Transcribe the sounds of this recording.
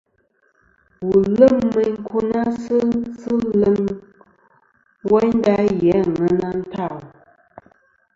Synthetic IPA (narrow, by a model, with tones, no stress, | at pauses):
wu˨lə˦˨mːə˦ŋ̩˦kʰu˦na˦sɨ˦sɨ˦lə˦m | wɛ˦n˦da˦jɛ˨˦ŋə˨na˦n̩˦ta˦˨